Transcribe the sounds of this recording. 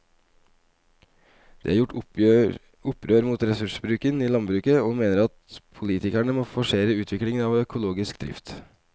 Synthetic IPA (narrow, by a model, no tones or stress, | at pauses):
d̪̥ḛːæːɾjʊʈː | ʊpːɾøːɾmuːt̪ɾɛsʉʂəbɾʉːkəniːlɑnbɾʉːkəoːmeːnəɾɑt̪pʰʊliːt̪ɪkæɳəmoːfɔʂeːɾəʉːt̪ʰʋɪklɪŋənɑːʋœkʰʊloːɡɪskd̪ɾɪ̰ft̪